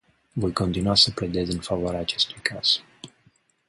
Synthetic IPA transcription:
vo̞jko̞nt̪inuasəpled̪e̞t̪zʲɨnfavoaɾeaːt͡ʃe̞st̪ujkʰaz̥

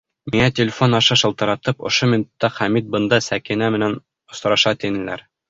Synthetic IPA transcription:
miŋæt̪ʲɪlʲɪfonɑʃɑʃɤ̆lˠt̪ɤ̆ɾɑt̪ɤpŏ̰ʃomʲɪnut̪ːɑχæmit̪̚bɤ̆nd̪ɑsækinæmɘ̆næn | ŏsɾɑʃɑt̪inɘ̆læ̰ɾ

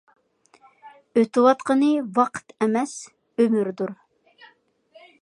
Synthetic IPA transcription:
øt̪ɨwɑt̪qənɨwɑqʰə̥t̪ʰɛmɛs | ømyɾd̪uɾ

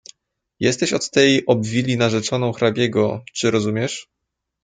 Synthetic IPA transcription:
jɛst̪ɛɕɔt̪ːɛjʔɔbvʲilʲinaʐɛt͡ʂɔnɔ̃w̃xɾabʲjɛɡɔt͡ʂɘɾɔzumʲɛʂ

